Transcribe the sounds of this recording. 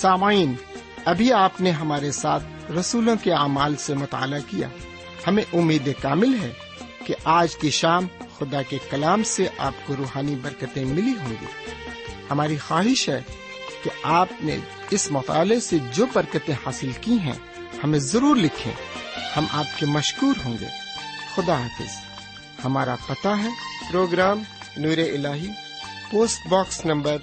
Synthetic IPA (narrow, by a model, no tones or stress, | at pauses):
saːmaːiːn | ɐbʱiaːpneɦɐmaːɾesaːt̪ʰ | ɾɐsuːlõkeaːmaːlsemʊt̪a̰ːlakija̰ː | hɐmẽʔʊmːiːd̪ekaːmɪlɦɛ | keʔaːd͡ʒkiʃaːmxʊd̪akekɐlaːmseʔaːpkoɾuːɦaːnibɐɾkət̪ẽmɪliɦõːŋɡḭːhɐmaːɾixaːɦɪʃɦɛ | t̪oaːpnḛ | ɪsmʊt̪a̰ːlesed͡ʒoːbɐɾkət̪ẽhaːsɪlkiɦɛ̰̃ | hɐmẽzɐɾuːɾlɪkʰḛ̃hɐmʔa̰ːp̚kemɐʃkuːɾɦõːŋɡḛːxʊd̪aaːfɪ̰z̥ | hɐmaːɾa̰pɐt̪aɦɛːpɾoːɡɾaːm | nuːɾeʔɪlaːɦi | poːsʈbaːksnɐ̃mbəɾ